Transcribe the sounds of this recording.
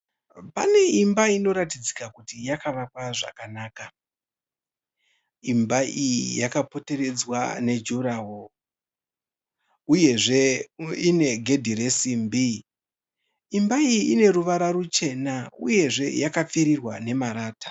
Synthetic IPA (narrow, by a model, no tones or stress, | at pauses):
pa̰ne̞imbaino̞ɾatid͡zikakutijakaʋakwaʐa̰kanaːka | imbaijijakapo̞te̞re̞d͡zwa̰ne̞d͡ʒuɾawo | uje̞ʐe̞ine̞ɡʱe̞dʱiɾesimbi | imbaijiʔine̞ɾuʋaɾaɾut͡ʃe̞nauje̞ʐe̞jakap͡fiɾirwane̞maɾaːtḁ